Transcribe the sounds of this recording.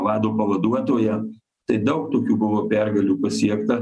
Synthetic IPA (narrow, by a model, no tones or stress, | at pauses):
ʋɑːd̪oːpɐʋɐd̪uɔt̪oːjɛ | t̪ɐɪd̪ɐʊkt̪oːkʲuːbʊʋoːpʲæɾɡɐlʲuːpɐsʲiɛkt̪ɐ